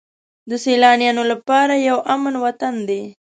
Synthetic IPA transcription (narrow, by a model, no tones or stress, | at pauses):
d̪əselɑnjɑnolapɑɾajawʔamənwat̪and̪e